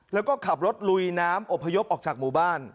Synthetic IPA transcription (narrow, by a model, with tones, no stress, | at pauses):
lɛː˦˥wkɔː˥˩kʰa˨˩p̚ɾo˦˥t̪̚lu˧jnaː˦˥mʔo˨˩pʰːa˧jo˦˥p̚ʔɔː˨˩k̚t͡ɕaː˨˩k̚muː˨˩baː˥˩n